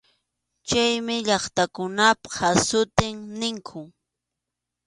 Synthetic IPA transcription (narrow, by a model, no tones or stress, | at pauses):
t͡ʃajmɪʎɑχt̪akʊnaphasʊt̪ɪŋnɪŋkʰʊ